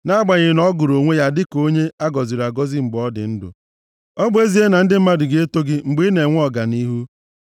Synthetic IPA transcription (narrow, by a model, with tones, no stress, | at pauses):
na˦a˦ɡ͡ba˨ɲɪ˨nɔ˦ɡʊ˨ɾo˨ŋʷe˦ja˦dɪ˦ko˦ɲe˦a˦ɡɔ˨zi˨ɾa˨ɡɔ˦zɪ˦ŋ͡m̩˨ɡ͡bɔ˦dɪ̰˨n̩˦dʊ̰˨ | ɔ˦ɡ͡bʊ˦e˦zi˦e˦na˨n̩˦dɪ˦m̩˦ma˦dɪ˨ɡe˦to˦ɡɪ˦ŋ͡m̩˨ɡ͡bi˦ne˨ŋʷ˦ɔ˨ɡa˨ni˦ɦu˦